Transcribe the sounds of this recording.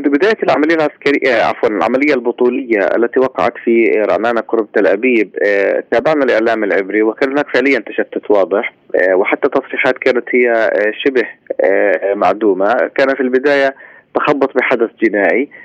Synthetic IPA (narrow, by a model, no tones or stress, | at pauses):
ɪnd̪bɪd̪aːjalʕamalɪjːalʕaskaɾɪːaʔa̰fwalnɪlʕa̰malɪjːalbʊt̪ˤuːlɪjːaʔa̰lːat̪iwɑqɑ̰ʕa̰t̪fiɾˤɑ̰ʕnaːnaqʊɾʊb̚t̪alʔabiːb̚t̪aːbaʕnalʔɪʕlaːmɪlʕɪbɾiwɪkaːnhʊnaːkfɪʕlɪjːant̪aʃat̪ːʊt̪wɑːd̪ˤɨħ | wɪħat̪ːat̪ːɑsˤɾiːħaːt̪kaːnat̪hɪjːaʃɪbh | ma̰ʕd̪uːmakaːnafilbɪd̪aːjat̪axɑbːɑt̪ˤbɪħad̪aθd͡ʒɪnaːʕi